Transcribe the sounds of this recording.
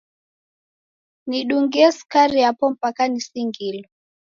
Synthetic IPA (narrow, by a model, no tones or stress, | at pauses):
niɗuŋɡiɛskaɾiapɔm̩pakanisiŋɡilɔ